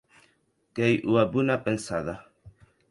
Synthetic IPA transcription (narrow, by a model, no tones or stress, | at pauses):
kɛjʔuwabunapənsa̰ða